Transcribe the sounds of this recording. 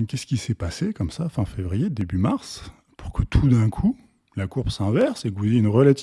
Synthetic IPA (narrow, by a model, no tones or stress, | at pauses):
kʲɛskʲisɛpasekɔmsafɛ̃fevʁijed̪ebymaʁs | pu̥ʁkʰət̪ʰud̪ɛ̃kʰu | lakuʁpsɛ̃vɛʁsekvuzjeynʁəlat̪i